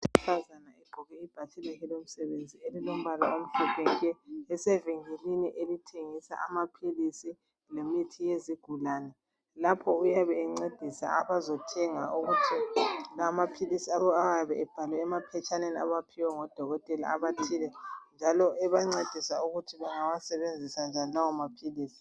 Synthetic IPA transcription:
tʰʼfazanaɛɡ͡ǃʱɔɣɛib̥ʱatʰilɛɣilom̩sɛβend͡zʱielilom̩βala̰om̩ɬɛpʰeŋkʼɛɛsɛviŋiliniʔelitʰeŋisa̰ʔamapʰilisi | lemitʰijeziɡ̥ʱulaːnɛ | lapʰɔujaβɛːŋ͡ǀed̥ʱisa̰aβazɔtʰɛŋauɣutʰilamapʰilisiaβɔawaβɛɛb̥ʱalwɛːmapʰɛt͡ʃʰʼanenia̰βapʰiwɛŋɔd̥ʱɔɣɔtʼɛla̰aβatʰilɛnd͡ʒʱalɔʔɛβaŋ͡ǀed̥ʱisauɣutʰiβaŋawasɛβend͡zʱisand͡ʒʱanilawamapʰiliːsi̥

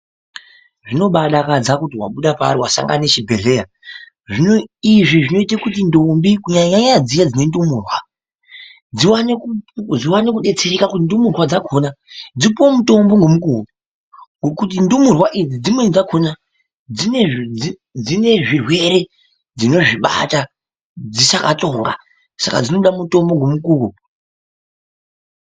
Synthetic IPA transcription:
ʐino̞ɓaɗakad͡zakutiwa̰ɓuɗapa̰ːɾiwasa̰ŋɡa̰net͡ʃibʱe̞ɮe̞ja | ʐinoiʐiʐino̞itakut̬indombikuɲaɲaɲad͡zijad͡zine̞ndumuːrwa | d͡ziwanekud͡ziwanekuɗe̞t͡se̞ɾikakutindumurwad͡zakʰonad͡zipomuto̞mbo̞ŋɡo̞mukuːkuu | ŋɡokut̬indumurwaʔid͡zid͡zimwe̞d͡zakʰona | in | d͡zine̞ʐirwe̞ɾe̞ | d͡zino̞ʐiɓa̰ta | d͡zisakato̞ŋɡa̰ | saka̰d͡zino̞ɗamuto̞mbo̞ŋɡo̞mukuːku

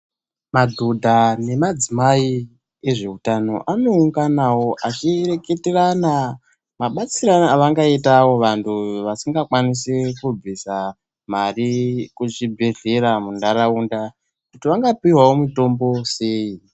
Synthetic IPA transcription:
madʱodʱane̞mad͡zimai | e̞ʐe̞utano̞̰ʔano̞uŋɡanawo̞ʔat͡ʃire̞ke̞terana | maɓat͡siɾanaʋaŋɡaitawo̞ʋantʰuʋasiŋɡakwanisekub͡visa | marikut͡ʃibʱeɮe̞ɾamundaɾaunda | kutiʋaŋɡapiwawomito̞mbo̞se̞ːi

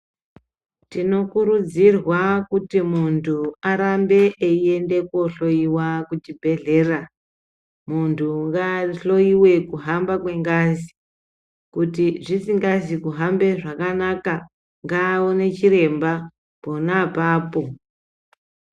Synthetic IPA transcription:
tino̞kuɾud͡zirwakutimuntʰuaɾambe̞ʔeie̞nde̞ko̞ɬo̞iwakut͡ʃibʱe̞ɮe̞ra | muntʰuŋɡaɬo̞iwe̞kuɦambakwe̞ŋɡazi | kutiʐisiŋɡazikuɦambe̞ʐakanaka | ŋɡaːonet͡ʃiɾe̞mba | po̞napaːpo̞

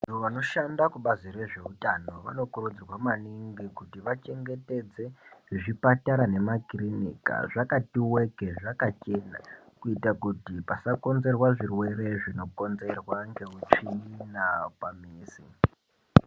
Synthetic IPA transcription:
uʋano̞ʃandakuɓaziɾe̞ʐe̞utano̞ʋa̰no̞kuɾud͡zirwamaniŋɡikutiʋat͡ʃe̞ŋɡe̞te̞d͡ze̞ʐipataɾane̞makirinḭka̰ʐakatiwe̞keʐakat͡ʃe̞ːna̰ | kuitakutipasako̞nze̞rwaʐirwe̞ɾe̞ʐino̞ko̞nze̞rwaŋɡe̞ut͡ʃinapamiːsḭ

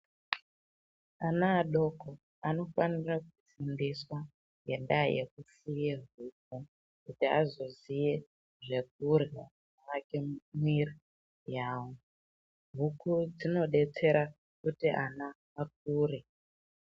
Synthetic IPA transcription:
anaːɗoko | ano̞fanirakut͡sindiswa | je̞nda̰jḛkusijeɦuk̚u | kutia̰zo̞zije | ʐe̞k̚urɣa | akemwiri | jaːwo | ɦukud͡zino̞ɗe̞t͡se̞ɾa | kutiʔanaː | k̚uːre

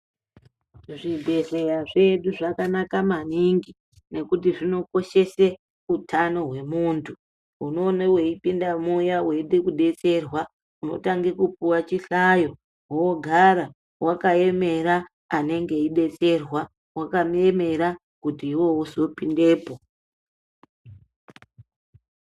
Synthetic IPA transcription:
ʐibʱe̞ɮejaʐe̞ɗuʐakanakamaniŋɡi | ne̞kutiʐino̞ko̞ʃe̞se | utʰano̞ɦwe̞muːntʰu | uno̞neweipindamujaweiɗekuɗe̞t͡se̞rwa | uno̞̰taŋɡekupuwat͡ʃiɬajo̞ | woɡʱaɾa | wakae̞me̞ɾaː | ne̞ŋɡe̞iɗe̞t͡se̞rwa | wakame̞me̞ɾa | kutiːwo̞wozo̞pinde̞ːpo̞

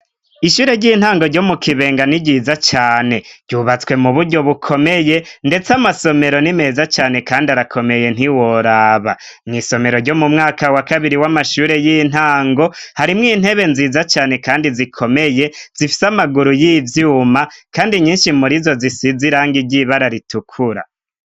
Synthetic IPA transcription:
iʃuːɾe̞ɾɟiːn̥haːŋɡoɾɟo̞mukʰiβe̞ːŋɡaniɟiːzat͡ʃaːne̞ɾɟuβat͡swe̞muβuɾɟo̞βukʰo̞me̞je̞nde̞t͡samaso̞me̞ɾo̞nime̞ːzat͡ʃaːne̞kaːndiaɾakʰo̞me̞je̞n̥iwo̞ɾaːβa | mŋiːso̞me̞ɾo̞ɾɟo̞mumŋaːkawakaβiɾiwamaʃuːɾe̞jin̥aːŋɡo̞haɾimŋiːn̥he̞βe̞nziːzat͡ʃaːne̞kaːndizikʰo̞me̞je̞z̥ifi̥samaɡuɾujivjuːmakaːndiɲiːnʃimuɾizo̞zisiziɾaːŋɡiɟiβaɾaɾitukʰuɾa̰

